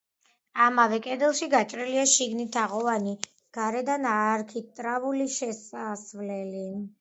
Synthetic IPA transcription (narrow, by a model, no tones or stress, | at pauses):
amavɛkʼɛd̪ɛlˠʃiɡat͡ʃʼɾiliaʃiɡnit̪ʰaʁɔvani | ɡ̥aɾɛd̪anaːɾkʰit̪ʼɾavuliʃɛsasvlɛli